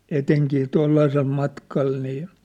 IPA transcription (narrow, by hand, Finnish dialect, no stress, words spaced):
eteŋkiː toilːɑisel mɑtkɑl niː